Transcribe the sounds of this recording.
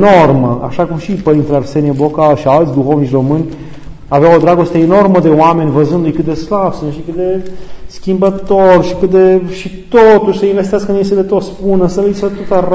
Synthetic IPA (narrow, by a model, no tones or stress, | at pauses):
norməa̰ʃakumʃipəɾint̪ɾearse̞niebokaʃialt̪sʲd̪uxo̞vnit͡ʃʲro̞mɨnʲ | aveawod̪ɾaɡo̞st̪e̞ːno̞rməd̪e̞oame̞nʲvəzɨnd̪lujkɨt̪̚d̪e̞slavsɨnʃikɨt̪̚d̪e̞skʲimbət̪orʃikɨt̪̚d̪e̞ʃit̪ot̪uʃʲsəinvest̪iaskənes̬elet̪ot̪spunəsəleiset̪ot̪ər